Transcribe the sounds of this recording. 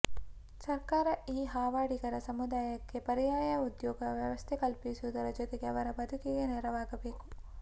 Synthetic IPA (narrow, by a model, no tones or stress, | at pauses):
sɐɾkaːɾɐiːɦaːʋaːɽiɡɐɾɐsɐmud̪aːjɐkːe̞pɐɾijaːjɐud̪jɔːɡɐʋjɐʋɐst̪ʰekɐlpisuud̪ɐɾɐd͡ʒot̪eɡeɐʋɐɾɐbɐd̪ʱukeɡeneɾɐʋaːɡɐbeːku